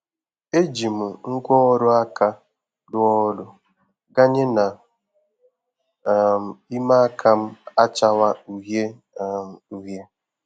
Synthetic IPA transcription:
e˦d͡ʒi˨m̩˨ŋ̩˦kʷɔ˦ɔ˦ɾʊ˦a˦ka˦ | dʊ˦ɔ˦ɾʊ˦ | ɡa˦ɲe˦na˨ | m̩˨i˦ma˦a˦kʰa˦m̩˦a˦t͡ʃa˦wa˦u˨ɦe˦˨ | m˨u˨ɦe˦

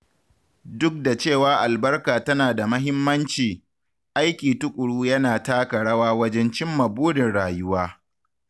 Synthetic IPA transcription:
dʊ˦k̚da˨t͡ʃeː˦˨waː˦ʔa˨lbɐ˦rkaː˨tɐ˦naː˨da˨mɐ˦ɦɪ˦mːɐ˦nt͡ʃiː˨ | ʔa˦jkʲiː˨tʊ˦kʷʼʊ˨ɽuː˦jɐ˦naː˨taː˦kɐ˨ɽɐ˦waː˦wɐ˦d͡ʒɛ˦nt͡ʃɪ˦mːɐ˨buː˦dɪ˨nɽaː˨jʊ˦waː˦

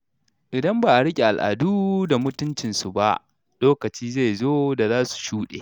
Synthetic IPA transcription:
ʔɪ˨dɐ˦mbaː˨ʔa˨ɽɪ˦kʲʼe˨ʔa˨lʔa̰ː˨duː˦da˨mʊ˦tʊ˦nt͡ʃɪ˨nsu˨ba˦ʔ | loː˦kɐ˨t͡ʃiː˦za˦˨jzoː˦da˨zaː˦su̥˨ʃuː˦ɗḛː˨

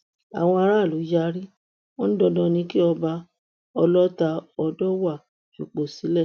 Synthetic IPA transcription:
a̰˨w̃ɔ̃˧a˧ɾa˦˨lu˨˦ja˧˦ɾi˦ | wɔ˦ñ̩˦dɔ˧dɔ̃˧nĩ˧ki˦ɔ˧ba˧ | ɔ˧lɔ˦ta˧ɔ˧dɔ˦wa˦˨ | ʃṵ˨k͡po˨si˨˦lɛ˦˨

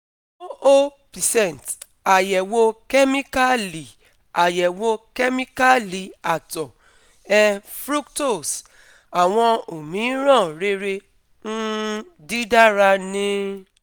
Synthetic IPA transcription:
o˦o˦pi˨sɛ˨n˨t | a˨jɛ˨wo˦kɛ˦mi˦ka˦li˨ | a˨jɛ˨wo˦kɛ˦mi˦ka˦li˨a˨tɔ˨ | ɛ˦fɾu˦kto˦˨s | a˨w̃ɔ̃˧o˨mĩ˨˦ɾɔ̃˦˨ɾe˦ɾe˧ | n̩˦ | di˦da˦ɾa˧nĩ˧

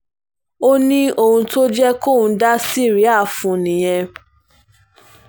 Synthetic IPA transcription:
o˦nĩ˦o˦hũ˧to˦d͡ʒɛ˦ko˦˨ũ˧da˦si˦˨ɾi˦a˦˨fũ˨nĩ˨j̃ɛ̃˧

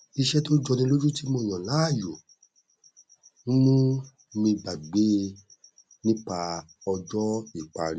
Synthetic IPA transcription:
i˦˧ʃɛ˦to˦d͡ʒɔ˧nĩ˧˦lo˦d͡ʒu˦ti˦mo˧˨j̃ɔ̃˨la˨˦a˦˨jo˨ | mũ˦mũ˦ | mĩ˧ba˨ɡ͡be˨˦ | nĩ˦k͡pa˧ | ɔ˧d͡ʒɔ˦i˨k͡pa˨˧ɾĩ˧

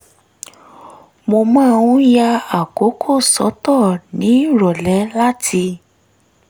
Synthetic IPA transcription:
mo˧mɔ̃˦˧wũ˦ja˧a˨ko˨˦kʰo˦˨sɔ̰˨˦tɔ˦˨nĩ˨˦˨ɾɔ˨lɛ˨˦la˦tʰi˧

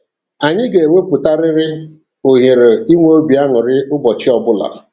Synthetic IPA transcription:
a˨ɲɪ˦ɡe˨e˨ŋʷe˦pʊ˨ta˦ɾɪ˦ɾɪ˦ | o˨ɦe˨ɾe˨i˦ŋʷ˦o˦bi˨a˦ŋʊ˨ɾɪ˦ʔʊ˦bɔ˨t͡ʃɪ˦ɔ˨bʊ˦la̰˨

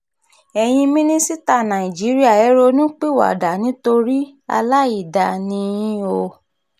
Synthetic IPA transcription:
ɛ˧j̃ĩ˧mĩ˦nĩ˦si˦ta˦˨nã˨i˨d͡ʒi˨˦ɾi˦a˦˨ɛ˨˦ɾo˧nĩ˦k͡pe˦˨wa̰˨da˨nĩ˨˦to˧ɾi˦a̰˧la˦i˦˨da˨nĩ˧jĩ˦o˧

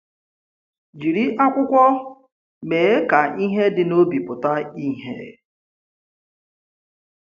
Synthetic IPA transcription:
d͡ʒi˨ɾi˦ʔa˦kʷʊ˦kʷɔ˦ | me˨e˦ka˨i˦ɦe˦dɪ˨no˦bi˨pʊ˨ta˦i˦ɦḛ˨

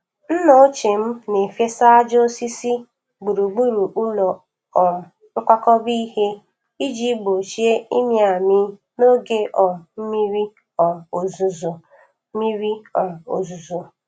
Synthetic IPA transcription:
n̩˦no˦t͡ʃe˨m̩˦ne˨fje˦sa˦a˦d͡ʒo˦si˦si˦ | ɡ͡bu˨ɾu˨ɡ͡bu˦ɾu˨ʔu˦lɔ˨ | ɔ˨ | ŋ̩˦kʷa˦kɔ˦bi˦he˦ | i˦d͡ʒi˦bo˨t͡ʃi˦e˦i˦mi˦a˨mɪ˦ | no˦ɡe˦ʔɔ˨m̩˦mi˦ɾi˦ | ɔ˨o˨zu˨zo˨˦ | mi˦ɾi˦ɔ˨o̰˨zu˨zo˨

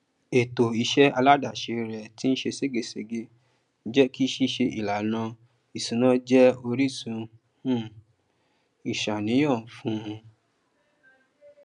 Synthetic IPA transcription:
e˨to˨i˧ʃɛ˦a˧la˦da˨ʃe˧ɾɛ˨ti˦n̩˦ʃe˧se˦ɡe˨se˧˨ɡe˧˦ | d͡ʒɛ˦ki˦ʃi˦ʃe˧ʔḭ˨la˨nã˧ | i˨sũ˨nã˦d͡ʒɛ˦o˧ɾi˦˨sũ˧ | ũ˦ | i˨ʃa˨nĩ˨˦j̃ɔ̃˦˨fũ˦˧

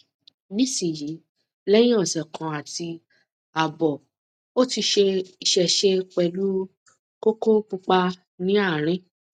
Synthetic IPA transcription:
nĩ˦si˦˨ji˨˦ | lɛ˦j̃ĩ˦ɔ˦˨sɛ˨kʰã˨˧a˨ti˧ | a˨bɔ˨ | o˦ti˧ʃe˧i˧ʃɛ˧ʃe˦k͡pɛ˧lu˦ | ko˦ko˦k͡pu˧k͡pa˧ | nĩ˦a˦˨ɾ̃ĩ˦

